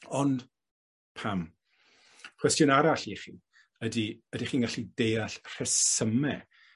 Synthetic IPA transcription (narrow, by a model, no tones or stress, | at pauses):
ɔnd | pʰam | kʰwɛstjʊnaɾaɬiχiː | ədiədiχiːnɡaɬidejaɬr̥ɛsəmɛ